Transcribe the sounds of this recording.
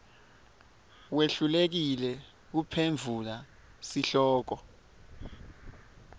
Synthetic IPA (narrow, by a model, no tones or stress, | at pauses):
weɬulek̬ilɛ | k̬upʰeɱvʱula | siɬɔːk̬ɔ